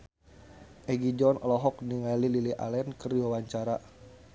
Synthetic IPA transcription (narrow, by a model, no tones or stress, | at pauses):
ʔɛɡid͡ʒɔnʔɔlɔɦɔk̚niŋalililiʔa̰lɛnkərdiwawaɲt͡ʃaɾa